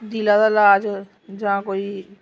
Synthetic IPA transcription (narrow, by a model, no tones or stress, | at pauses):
d̪ilad̪alaːd͡ʒ | d͡ʒɦãkoi